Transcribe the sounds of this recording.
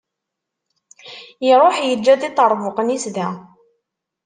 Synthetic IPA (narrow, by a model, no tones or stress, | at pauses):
iɾˤoħjəd͡ʒːæðit̪ˤɑɾˤvʊqənisðæ